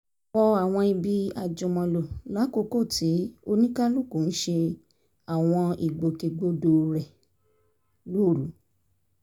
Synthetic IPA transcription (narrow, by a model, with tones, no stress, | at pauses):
wɔ˧a˨w̃ɔ̃˧i˧bi˧a˨d͡ʒũ˨mɔ̃˧lo˨la˨˦ko˧ko˦˨ti˨˦o˧nĩ˦ka˦lu˦˨ko˨n̩˦ʃe˧ | a˨w̃ɔ̃˧i˨ɡ͡bo˨ke˧ɡ͡bo˦do˧ɾɛ˨ | lo˦˨ɾu˨˦